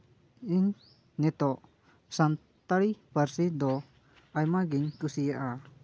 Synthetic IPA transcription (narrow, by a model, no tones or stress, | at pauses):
iɲ | nɛt̪ɔʔ | san | t̪aliparsid̪ɔ | ajmaɡinkusiaʔa